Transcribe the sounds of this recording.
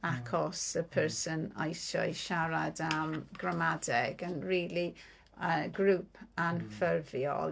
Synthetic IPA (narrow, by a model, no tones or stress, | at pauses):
akʰɔsəpʰəɹsəna̰jsɔ̰ɨʃaɾadamɡɹamadɛɡənriːli | əɡɾuːpʰanfərvjɔ̰l